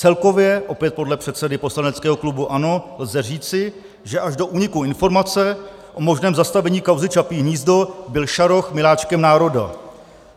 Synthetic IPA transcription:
t͡sɛlko̞vjɛʔo̞pjɛt̪̚po̞dlɛpr̥ɛt̪sɛdɪpo̞slanɛt͡skɛːɦo̞klubuʔano̞lzɛriːt͡sɪ | ʒɛʔaʒdo̞ʔuːɲɪkuɪnfo̞ɾmat͡sɛ | ʔo̞mo̞ʒnɛːmzast̪avɛɲiːkawzɪt͡ʃapiːɲiːzdo̞bɪlʃaɾo̞xmɪlaːt͡ʃkɛmnaːɾo̞da̰

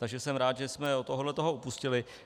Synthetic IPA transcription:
t̪aɡʒɛsɛmɾaːt̪ʒɛsmɛot̪oɦodlɛt̪oɦo̞upuscɪlɪ

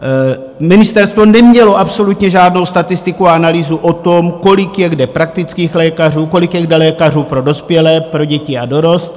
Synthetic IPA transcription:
mɪnɪst̪ɛɾst̪vo̞nɛmɲɛlo̞ʔapso̞lut̪ɲɛʒaːdno̞wst̪at̪ɪst̪ɪkuaanaliːzuʔot̪o̞mko̞lɪkjɛɡdɛpɾak̚t̪ɪt͡skiːxlɛːkar̝uːko̞lɪkjɛɡdɛlɛːkar̝uːpɾo̞do̞spjɛlɛːpɾo̞ɟɛcɪado̞ɾo̞st̪

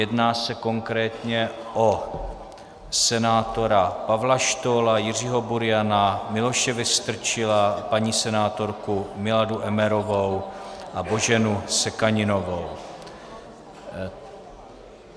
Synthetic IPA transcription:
jɛdnaːsɛko̞ŋkɾɛːt̪ɲɛʔo | sɛnaːt̪o̞ɾapavlaʃt̪oːlajɪriɦo̞buɾɪjanamɪlo̞ʃɛvɪst̪r̩t͡ʃɪlapaɲiːsɛnaːt̪o̞ɾkumɪladuʔɛmɛɾo̞vowʔabo̞ʒɛnusɛkaɲɪno̞vo̞w

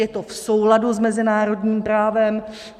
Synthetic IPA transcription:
jɛt̪ofsowladuzmɛzɪnaːɾo̞dɲiːmpɾaːvɛm

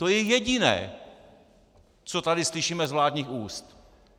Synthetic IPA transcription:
t̪ojɛjɛɟɪnɛ̰ː | t͡sot̪adɪslɪʃiːmɛzvlaːdɲiːxuːst̪

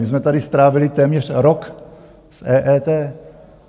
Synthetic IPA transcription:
ɪzmɛt̪adɪst̪ɾaːvɪlɪt̪ɛːmɲɛr̥ɾok | sʔɛːʔɛːt̪ɛː

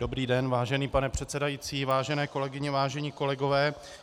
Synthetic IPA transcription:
d̥obɾiːdɛnvaːʒɛniːpanɛpr̝̥ɛt̪sɛdajit͡siːvaːʒɛnɛːko̞lɛɡɪɲɛvaːʒɛɲiːko̞lɛɡo̞vɛː

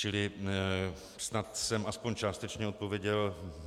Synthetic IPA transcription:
t͡ʃɪlɪ | snat̪sɛmʔaspoɲt͡ʃaːst̪ɛt͡ʃɲɛo̞t̪̚povjɛɟɛl

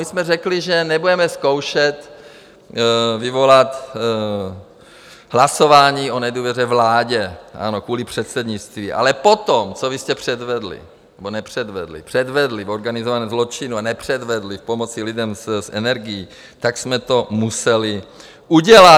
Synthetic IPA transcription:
mɪsmɛrɛklɪʒɛnɛbudɛmɛsko̞wʃɛt̪ | vɪvo̞lat̪ | ɦlaso̞vaːɲiːo̞nɛduːvjɛrɛvlaːɟɛʔa̰no̞kvuːlipr̝̥ɛt̪sɛdɲɪt͡st̪viːʔa̰lɛpot̪omt͡sovɪst̪ɛpr̝̥ɛd̪vɛd̪lɪ̰ | nnɛbonɛpr̝̥ɛd̪vɛd̪lɪ̰pr̥ɛd̪vɛd̪lɪvo̞ɾɡanɪzovanɛːzlot͡ʃɪnuanɛpr̝̥ɛd̪vɛd̪lɪfpo̞mot͡sɪlɪdɛmsʔɛ̰nɛɾɡɪji | t̪aksmɛt̪o̞musɛlɪ | ʔuɟɛla

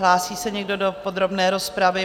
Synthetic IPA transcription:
laːsiːsɛɲɛɡdo̞dopod̪ɾo̞bnɛːɾo̞spɾavɪ

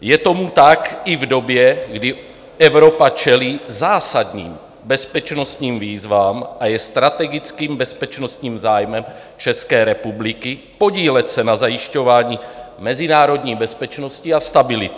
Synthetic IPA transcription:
jɛt̪omut̪akivdo̞bjɛɡdɪ | ɛvɾopat͡ʃɛliːzaːsad̪ɲḭːm | bɛspɛt͡ʃnost̪ɲiːmviːzvaːmʔajɛst̪ɾat̪ɛɡit͡skiːmbɛspɛt͡ʃnost̪ɲiːmzaːjmɛm | t͡ʃɛskɛːɾɛpubliki | po̞ɟiːlɛcsɛnazajiʃcovaːɲiːmɛzinaːɾo̞d̪ɲiːbɛspɛt͡ʃnosciast̪abɪlɪt̪

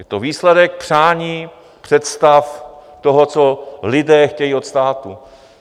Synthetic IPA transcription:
jɛt̪oviːslɛdɛk̚pr̝̥aːɲiː | pr̥ɛt̪st̪aft̪oɦot͡solɪdɛːxcɛjiːot̪st̪aːt̪u

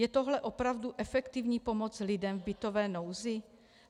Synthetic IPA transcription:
jɛt̪oɦlɛʔo̞pɾavduʔɛfɛkt̪ɪvɲiːpo̞mot͡slɪdɛmvbɪt̪o̞vɛːnowzɪ

